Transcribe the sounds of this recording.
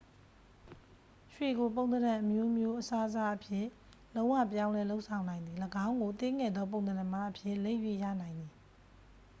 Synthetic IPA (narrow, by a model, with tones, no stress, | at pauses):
ʃwe˨ɡo˨p̬õ˨ʊ̃nəɾã˨ʔəmjo˦mjo˦ʔəsa˦ʔza˦ʔəpʰjɪ̃˦˨ | lõ˦ʊ̃wä̰˦˨pjã˦ʊ̃lɛ˦lo˦ʊʔsʰã˨ʊ̃nã˨ɪ̃nd̪i˨ləɡã˦ʊ̃ŋɡo˨t̪ɪ̃˦ŋɛ˨d̪ðɔ˦p̬õ˦˨ʊ̃nəɾã˨ma˦ʔəpʰjɪ˦˨le˦ɪʔjwḛ˦˨jä̰˦˨nã˨ɪ̃nd̪i˨